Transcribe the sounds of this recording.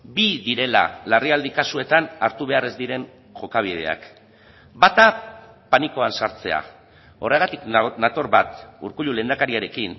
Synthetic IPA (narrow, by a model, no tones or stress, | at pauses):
biðiɾe̞la̰lariald̪ikasue̞t̪anaɾt̪uβ̞e̞are̞zd̪iɾe̞n | ʝo̞kaβ̞ið̞e̞̰a̰k | bat̪a | paniko̞ansaɾt͡se̞̰a̰ | o̞reɣat̪iknat̪o̞ɾβat̪ṵɾkuʎule̞ːnd̪akaɾiaɾe̞kin